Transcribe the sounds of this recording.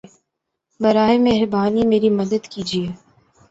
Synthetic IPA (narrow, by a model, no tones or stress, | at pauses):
bɐɾaːemeɦɾbaːnimeːɾimɐd̪əd̪kiːd͡ʒieː